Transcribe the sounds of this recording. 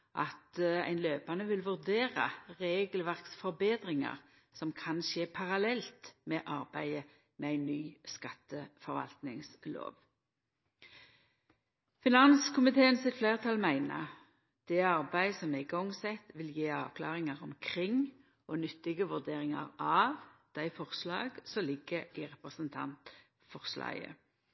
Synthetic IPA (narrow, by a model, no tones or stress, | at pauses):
ʔɑt̪æ̰ɪnløːpɑnəʋɪlʋʉʁd̪eːɾɑ̰ʁeːɡlʋæʁksfɔʁbeːd̪ʁɪŋɑ̰ʁ | sɔmkʰɑnʃeːpʰɑʁɑlɛlt̪mɛʔɑʁbæɪə | mɛæɪnːyːskɑt̪ːəfɔɾʋɑ̰lt̪nɪŋslo̰ːʋ | fɪnɑnskʰʊmɪt̪ʰeːənsɪt̪flæːʁt̪ʰɑlmæɪnə̰ | d̪̥ɛɑʁbæɪsɔmɛɪɡɔŋsɛt̪ʋɪljeːɑːʋkʰlɑːʁɪŋɑʁɔmkʰʁɪŋ | onʏt̪ːɪɡəʋʉʁd̪eːɾɪŋɑ̰ʁɑːʋd̪̥æɪfɔʁslɑ̰ːɡsɔlɪɡəɪʁɛpʁəsənt̪ʰɑ̰nt̪ | fɔʁslɑ̰ːɡə̰